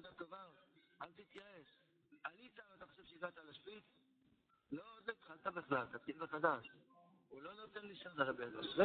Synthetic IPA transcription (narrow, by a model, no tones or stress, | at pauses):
d̪at̪ovaalt̪hit̪jaeʃ | anit͡savat̪aχoʃe̞v̥ʃeiɡat̪aːlaʃpit | lo̞od̪loit̪χalt̪abeχlalt̪atiivaχad̪aʃulo̞no̞t̪e̞nliʃanaʁebeadoʃze